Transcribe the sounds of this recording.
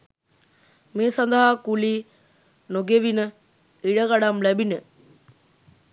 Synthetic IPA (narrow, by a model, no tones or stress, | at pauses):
meːsand̪əɦakuliː | noɡeʋinə | iɽəɡaɽamlæbinə